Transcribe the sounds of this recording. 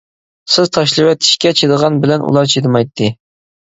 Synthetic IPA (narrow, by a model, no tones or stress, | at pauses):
sɪzt̪ʰɑʃlˠɨwɛt̪ʰɪ̥ʃkʲɛt͡ʃʰed̪əʁɑnbɪlɛnʔṵlˠɑɾt͡ʃʰed̪ɨmɑjt̪ʰːɨ